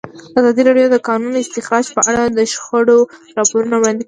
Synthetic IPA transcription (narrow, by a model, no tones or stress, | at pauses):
azɑd̪iɾɑɖjod̪əkɑnunɪst̪ɪxɾɑd͡ʒpəʔaɽad̪əʃxaɽoɾɑpoɾunawɽɑnd̪ɪk